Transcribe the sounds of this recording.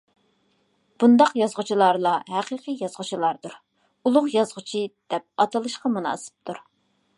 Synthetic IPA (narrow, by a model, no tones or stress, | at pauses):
b̥und̪ɑqjɑzʁʊt͡ʃʰilˠɑɾlˠɑɦæqiqʰijɑzʁʊt͡ʃʰilˠɑɾd̪uɾ | ulˠʊqjɑzʁʊt͡ʃʰid̪̥ɛp̚ɑt̪ʰɨlˠɨʃqɑmunɑ̰ːsɨ̥p̚t̪ʰuɾ